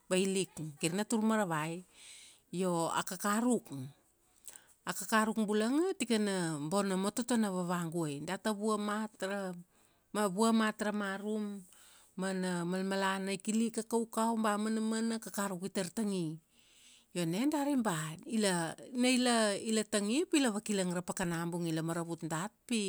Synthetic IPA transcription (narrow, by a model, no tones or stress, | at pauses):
bailikɡiɾnatuɾmaɾaβaj | jo̞a̰kakaɾuk | akakaɾukbulaŋatikanambo̞namototonaβaβaŋɡuajndataβuamatɾa | aβuamatɾamaɾumː | anamalmalanajkilikakawkawmbamanamanakakaɾukitaɾtaŋi | jo̞ne̞ndaɾimbailanailailataŋipilaβakilaŋɾapakanambuŋilamaɾaβutndat̚pi